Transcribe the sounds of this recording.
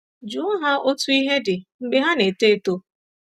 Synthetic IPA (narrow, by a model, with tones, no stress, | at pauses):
d͡ʒu˨˦ɦa˦o˦tu˦i˦ɦe˦dɪ˨ŋ͡m̩˦ɡ͡bɪ˦ɦa˦ne˨te˦e˦˨to˦